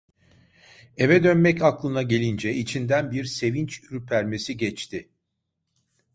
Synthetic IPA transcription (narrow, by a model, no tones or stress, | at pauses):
evɛd̪ø̞nmɛcaklˠɯnaɟe̞lʲind͡ʒɛit͡ʃʰind̪ænbiɾse̞vint͡ʃyɾypʰæɾme̞siɟɛt͡ʃt̪ʰɪ